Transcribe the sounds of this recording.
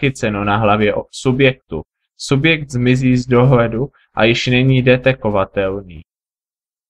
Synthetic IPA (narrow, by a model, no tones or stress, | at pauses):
ɪt͡sɛnonaɦlavjɛʔsubjɛk̚t̪ṵ | subjɛk̚t̪zmɪziːzdo̞ɦlɛdu | ʔa̰jɪʃnɛɲiːdɛt̪ɛkovat̪ɛlniː